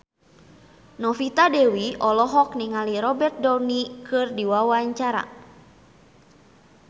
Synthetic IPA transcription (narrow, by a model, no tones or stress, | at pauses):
nɔfit̪adɛwiʔɔlɔɦɔk̚niŋaliɾɔbɛrt̪̚dɔnikɨrdiwawaɲt͡ʃaɾa̰